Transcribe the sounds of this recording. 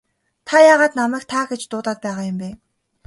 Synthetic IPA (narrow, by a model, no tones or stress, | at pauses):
t̪ʰajaːʁaːt̪namæːk̚t̪ʰaːxet͡ɕt̪ʊːt̪aːt̪̚pæːʁaːjʊmpeː